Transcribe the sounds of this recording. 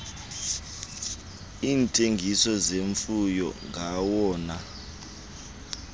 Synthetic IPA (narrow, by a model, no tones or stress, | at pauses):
iːntʼeŋɡʱisɔzeɱfujɔ̰ŋʱawɔːna